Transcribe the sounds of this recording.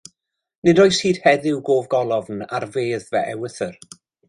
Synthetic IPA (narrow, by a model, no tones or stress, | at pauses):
nɪdɔːjshiːd̥hɛðɪwɡoːvɡɔlˠɔvna̰rveːðvɛʔɛwəθər